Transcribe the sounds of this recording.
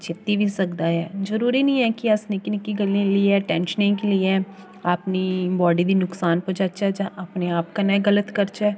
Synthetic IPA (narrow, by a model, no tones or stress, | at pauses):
t͡ʃʰɪt̪ibʱisɐkd̪aɦɛ̰ːzəɾuːɾinĩɛkiɐsnekɪnkiɡəliẽliɛʈɛ̃ːnʃənẽkeliɛ | apnibɔːɖid̪inʊksaːnpət͡ʃat͡ʃʰat͡ʃaʔɐpneaːpkanɛɡɐlət̪kɐɾt͡ʃaɛ